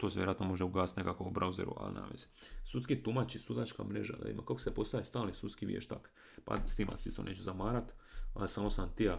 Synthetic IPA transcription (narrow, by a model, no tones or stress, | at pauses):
t̪oseʋjeɾoat̪nomo̞ʒeuɡaːst̪ne̞kakoubɾʔauzeɾṵa̰lina̰ʋezsut̪skit̪umat͡ɕisud̪at͡ʃka̰mɾeʒa̰d̪a̰ḭmakakosepo̞st̪aʋist̪aːlnisut̪skiʋʲjḛʃt̪a̰k | pa̰st̪imʔa̰sist̪o̞̰neːt͡ʃuzamaːɾat̪a̰lsaːmosant̪ija